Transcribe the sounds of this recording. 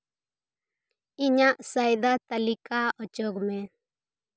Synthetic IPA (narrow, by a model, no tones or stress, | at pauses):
iɲaʔsajd̪at̪alikʰaɔt͡ʃɔɡmɛ